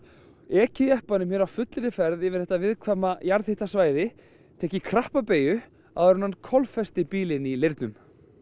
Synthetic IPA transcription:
ɛːcɪðjɛhpanʏmhjɛɾawfʏt̪lɪɾɪfɛɾðɪvɪɾ̥θɛht̪avɪðkʰvamajaɾθhɪht̪asvaːjðɪ | t̪ʰɛːhcɪkʰɾahpapeːjʏ | aðaɾʏnankʰɔlfɛst̪ɪpiːlɪnilɪɾt̪nʏm

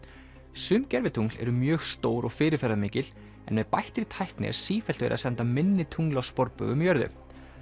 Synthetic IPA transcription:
sʏːmcɛɾvɪt̪ʰuŋlɛ̰ɾʏmjœːɣst̪oːwɾɔɣfɪːɾɪɾfɛɾaðmɪːcɪl | ɛ̰nmɛðpajht̪ɾɪt̪ʰajhknɪɛ̰ɾ̥siːfɛlt̪ʏvɪ̰ɾa̰sɛnt̪amɪnːɪt̪ʰuŋlawspɔɾpœ̰ɣʏmjœɾðʏ̰

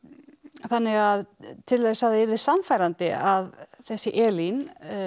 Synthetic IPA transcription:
θanːɪɣaðt̪ʰɪllːɛɣsaðɛɾðɪsamfajɾant̪ɪaðθɛsːɪʔɛːlin

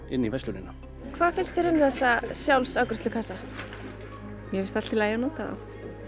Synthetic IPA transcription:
ɪnːivajsluɾɪna | kʰv̥aːðfɪnst̪θeɾɪmθɛsːasjawlsawkɾʏ̥sʏkʰasa | mjɛvɪst̪alt̪ilaːjanɔːt̪aa̰

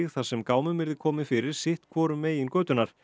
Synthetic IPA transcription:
ɣθasɛmkaːwmʏmɪɾðɪkʰɔːmɪfɪɾɪɾ̥sɪht̪kʰvɔːɾʏmːeːjɪnkœːɥt̪ʏnaɾ̥

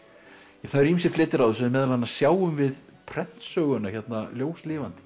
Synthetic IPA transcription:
aθaðɾims̬ɛɾflɪt̪ːɪɾawðʏsɛðmɛːðalhanːḁsjaːwʏmvɪð | pʰɾɛn̥t̪sœːɣʏnaçɛt̪naljoːwslɪːvant̪ɪ̥

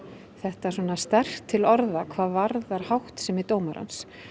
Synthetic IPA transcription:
θɛht̪asɔːnast̪ɛr̥t̪ʰːɪlɔɾðakʰvaːðvaɾðaɾ̥hawht̪sɛmɪt̪oːwmaɾa̰ns

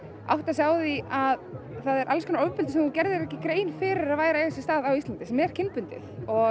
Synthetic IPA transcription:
a̰wht̪asjaːwðɪʔað | θaðɛɾʔa̰lskʰɔnaoːwpʏnɪsɛmhuncɛɾðɪɾɛhcɪkɾeːjnfɪːɾɪɾaðvaːjɾaejvasɪ̥st̪aːðawist̪lant̪ɪsɛmɛɾ̥cʰɪnpʏnt̪ɪ̰θɔɣ

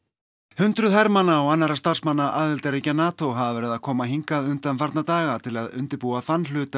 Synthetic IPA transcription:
hʏnt̪ɾʏðɦɛɾmanːaːwanːaɾast̪ar̥smanːaʔaːðɪlt̪aɾecanaːt̪owɦavavɛɾɪðaðkʰɔːmaɦiŋkaðʏnt̪amfaɾt̪nat̪aːɣat̪ʰɪlaðʏ̰nt̪ɪɾpuaθanːl̥ʏːt̪a

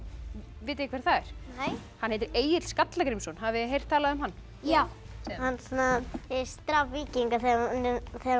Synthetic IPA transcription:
vɪːt̪ɪkʰvɛɾ̥θaɛɾ̥j | hanhejt̪̬ɪɾeːjɪt̪l̥skat̪lakɾimsɔnɦavɪɦejr̥t̪ʰːaːlaðʏʏmɦanː | a | hansunaɛst̪ɾavːiːciŋkaθɛnθɛ

